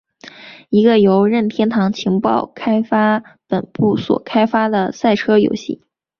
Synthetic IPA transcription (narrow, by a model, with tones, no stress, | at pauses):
i˧˥ɡə˧jo˧˥ʊɻə˥˩nt̪ʰjɛ˥nt̪ʰɑ˧˥ŋt͡ɕʰi˧˥ŋpɑ˥˩ʊkʰa˥ɪfa˥pə˨˩npu˥˩swɔ̰˨˩kʰa˥ɪfa˥d̪ə˨sa˥˩ɪʈ͡ʂʰɤ˥jo̰˧˥ʊɕḭ˥˩